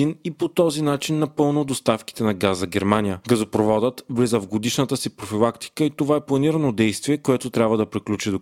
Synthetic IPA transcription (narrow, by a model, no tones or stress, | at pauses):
inipot̪ɔzinat͡ʃinːɐpɤlˠnʊd̪ost̪afki̥t̪ɛnɐɡazəɡʲɛɾmanʲijəɡɐzopɾovɔd̪ət̪vlizəvɡod̪iʃnət̪əsipɾofilˠakt̪i̥kəit̪ovaɛplˠɐniɾənod̪ɛjst̪viɛkoɛt̪ot̪ɾʲabvəd̪ɐpɾiklʲut͡ʃid̪o